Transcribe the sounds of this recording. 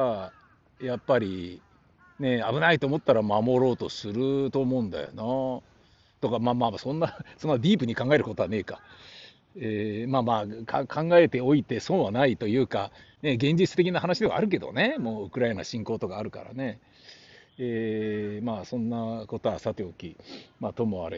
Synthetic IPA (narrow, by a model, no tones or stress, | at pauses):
a | japːaɾʲi | ne̞abɯ̟nait̪o̞ːmo̞t̪ːaɾamamo̞ɾo̞ːt̪o̞sɨɾɯ̟t̪o̞ːmo̞ɯ̟̃nd̪a̰jo̰na | t̪okamaːmaːasõ̞nːasõ̞nːad̪ʲiːpɯ̟ɲ̟ikãŋɡae̞ɾɯko̞t̪oane̞ːka | emaːmaːkʰakʰãŋɡae̞t̪e̞o̞it̪e̞so̞ːβanait̪o̞jɯ̟ːkane̞ɡẽ̞ɲ̟d͡ʑit͡sɨ̥t̪ekʲinahanaɕid̪e̞βa̰aɾɯ̟k̬e̞d̪o̞̰ne̞mo̞ːɯ̟kɯ̟ɾaena̰ɕĩŋkoːt̪o̞kaːɾɯ̟ka̰ɾa̰ne̞ | eːmaːsõ̞nːako̞t̪o̞βasat̪e̞okʲimaːt̪o̞moa̰ɾe